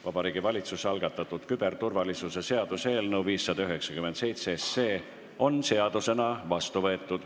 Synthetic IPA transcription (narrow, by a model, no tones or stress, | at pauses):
vɑb̥ɑɾiːɡ̥ivɑlʲit̪susɑlɡ̥ɑt̪ːˑɑt̪ːˑud̪̥kyb̥e̞rt̪urvɑlisuse̞se̞ɑd̪̥use̞ːlnəwviːsːɑd̪̥ɑyɦe̞ksɑkymense̞jt̪sesːe̞ː | o̞nse̞ɑd̪̥use̞nɑvɑst̪uvɤ̞e̞t̪ːˑud̪̥